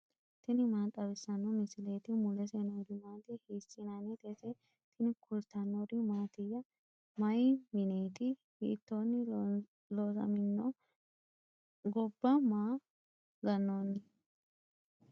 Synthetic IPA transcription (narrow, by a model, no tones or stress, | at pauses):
t̪ɪnɪmaːt̪ʼːɐbɛsːɐnːɔmɪsɪleːt̪ɪmʊlɛsenoːd̪ɪmaːt̪ɪhiːsɪnanɛt̪et̪ɛ | t̪ʰɪnɪkʊlt̪ɐnːoɾɪmaːt̪ɪjɐ | mɐjmɪneːt̪ɪhḭːt̪ːoːnːɪ | loːsɐ̰mɪnːo | ɡɔbːɐmaː | ɡɐnːoːnːɪ